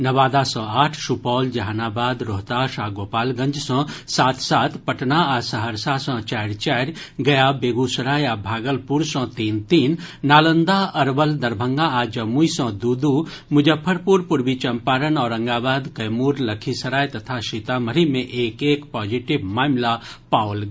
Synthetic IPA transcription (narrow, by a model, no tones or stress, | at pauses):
nɐʋaːd̪asɔ̃ːaːʈʰʃupɔːld͡ʒɐɦanaːbaːd̪ɾoɦt̪aʃaːɡoːpaːlɡə̃ɲd͡ʒsɔ̃ːsaːt̪ʰsaːt̪ʰpɐʈnaasɐɦəɾsasɔ̃t͡ʃɛːɾt͡ʃɛːɾɡɐjabeːɡusəɾaːjabʱaːɡəlpuɾsɔ̃ːt̪iːnt̪iːnːaːlə̃nd̪aɐɾʋəld̪ɐɾbʱə̃ŋɡaad͡ʒɐmuisə̃d̪uːd̪u | mʊd͡ʒəpʰːəɾpuːɾpʊɾbit͡ʃɐmpaːɾənɔːɾɐ̃ŋɡaːbaːd̪kɐjmuːɾləkʰisɐɾaːjt̪ɐt̪ʰaʃit̪aməɾimẽʔeːkeːkpɔːd͡ʒiʈɪʋmaːmlapaːwl